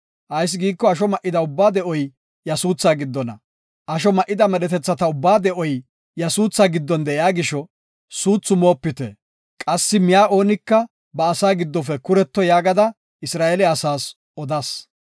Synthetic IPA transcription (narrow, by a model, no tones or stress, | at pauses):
ʔɐjs̬ɡiːkːɔɐʃɔmɐʔːɪd̪ɐʊbːaːd̪ɛʔɔj | jɐsuːt͡sːaːɡɪd̪ːɔnɐ̰ | ʔɐʃ̬ɔmɐʔɪd̪ɐmɛɗɛt̪ɛt͡sːɐt̪ɐʊbːaːd̪ɛʔɔj | jɐsuːt͡sːaɡɪd̪ːɔnd̪ɛʔɪjaːɡɪʃɔ | suːt͡sːʊmo̞ːpːɪt̪ɛ̰ | kʼɐsːɪmɪjaːʔo̞ːnɪkːɐ | bɐːsaːɡɪd̪ːɔfɛkʊɾɛt̪ːɔjaːɡɐd̪ɐ | ɪsɾaːʔɛlɛɐsaːs | ɔd̪ɐs